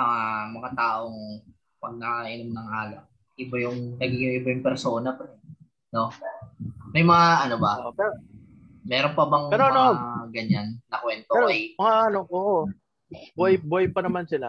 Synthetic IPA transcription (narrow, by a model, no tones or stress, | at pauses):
mɐŋamɐŋat̪aːʔo̞ŋ | pɐɡ̚nɐkaʔɪnomnɐŋaːlɐʔ | ʔɪbajʊŋnɐɡɪŋjʊŋʔɪbajʊŋpɛɾso̞ːnɐpɐɛ | no̞ | mɐjmɐŋaʔɐnobɐʔopɛɾo | mɛːɾonpɐbɐŋpɛːɾoʔɐnnoaɡɐɲanːɐkwɛnt̪oɛːɾoɐjmɐŋaʔɐno̞ʔoːʔo | bʊɐjbʊɐjpɐnɐmansɪla